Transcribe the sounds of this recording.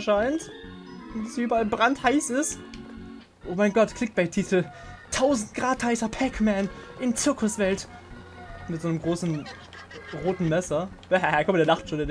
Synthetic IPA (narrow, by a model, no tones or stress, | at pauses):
ʃaɪntʊndasʔyːbɐalbʁanthaɪsɪst | ʔoːmaɪnɡɔtkʰl̥ɪk̚b̥aɪtʰiːtʰl̩ | tʰaʊzn̩t̚ɡ̥ʁaːthaɪsɐpʰɛkmɛːnʔɪnt͡sɪɐkʰʊsv̥ɛlt | mɪtz̥oːnəmɡʁoːsn̩ | ʁoːtn̩mɛsɐd̥ɛhɛhɛkʰɔmdeɐnaχtʃoːndeɐd